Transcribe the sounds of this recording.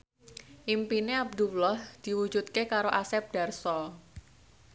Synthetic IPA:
ʔimpineab̚d̪ulɔhd̪̥i̤wu̥d͡ʒut̪̚kekaɾoʔasɛp̚d̥a̤rsɔ

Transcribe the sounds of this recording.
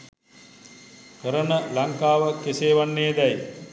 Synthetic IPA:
kəɾənəlaŋkaːʋəkeseːʋanːeːd̪ɛj

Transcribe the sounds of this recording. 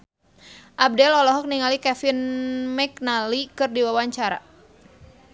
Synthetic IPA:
ʔab̚dɛlɔlɔɦɔk̚niŋalikɛfɪnmɛk̚nalikɨrdiwawaɲt͡ʃaɾa̰

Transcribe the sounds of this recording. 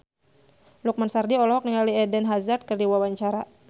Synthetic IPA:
luk̚mansardiɔlɔɦɔk̚niŋaliɛdɛnɦazat̪̚kɨrdiwawaɲt͡ʃaɾa

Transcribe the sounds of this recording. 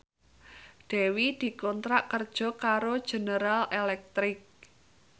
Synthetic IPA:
ɖ̪̥ɛ̤wid̪̥i̤kɔnt̪ɾaʔkərd̥ʒ̥ɔ̤kaɾod̥ʒ̥e̤nəɾalelɛk̚t̪ɾɪk̚

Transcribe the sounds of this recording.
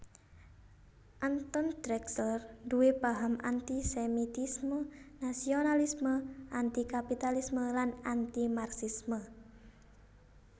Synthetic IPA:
ʔant̪ɔnd̪ɾɛksərduwepaɦamʔa̰nt̪isɛmit̪ismənasionalisməʔant̪ikapit̪alisməlanant̪imarsismə

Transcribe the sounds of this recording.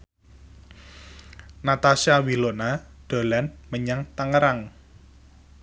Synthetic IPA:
nat̪asiawilonaɖ̪̥o̤lɛnməɲaŋt̪aŋəɾaŋ

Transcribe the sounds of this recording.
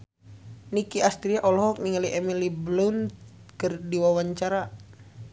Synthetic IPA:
nikiast̪ɾiaʔɔlɔɦɔk̚niŋaliʔɛmiliblunkɨrdiwawaɲt͡ʃaɾa

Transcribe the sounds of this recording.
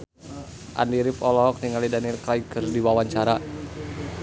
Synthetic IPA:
ʔa̰niɾɪpɔlɔɦɔk̚niŋalidaniɛlkaikɨrdiwawaɲt͡ʃaɾa

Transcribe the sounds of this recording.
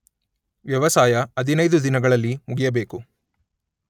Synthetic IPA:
ʋjɐʋɐsaːjɐɐd̪ʱinɐjd̪ud̪inɐɡɐɭɐlːimuɡijɐbe̞ːku

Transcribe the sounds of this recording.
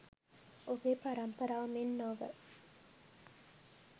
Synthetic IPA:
oɡepaɾɐmpɐɾaːʋɐmenːoʋə̰

